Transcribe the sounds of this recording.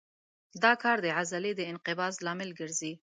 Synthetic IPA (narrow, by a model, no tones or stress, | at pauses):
d̪ɑkɑɾd̪əʕazaled̪əɪnqɪbɑslɑmɪlɡəɾzi